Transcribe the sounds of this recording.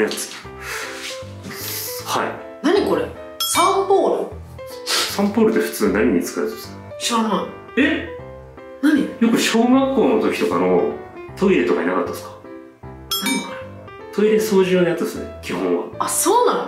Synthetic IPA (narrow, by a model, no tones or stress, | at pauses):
jat͡sɨ̥ | ha̰ḭ | naɲ̟iko̞ɾe | sãmpoːɾɯ | sãmpoːɾɯ̟t̪ːeɸɯ̥t͡sɨːnaɲ̟iɲ̟it͡sɨ̥kaɾet̪esn | ɕoːmã | e | naɲ̟ijo̞kɯ̟ɕo̞ːɡakːo̞ːno̞t̪o̞kʲi̥t̪o̞kano̞t̪ʰo̞iɾe̞t̪o̞kainakat̪ːḁsɨ̥kḁ | naɲɾ | t̪ʰo̞iɾe̞so̞ːʑionajat͡sɨd̪esɨnekʲihõ̞ɰ̃βa̰asoːnãno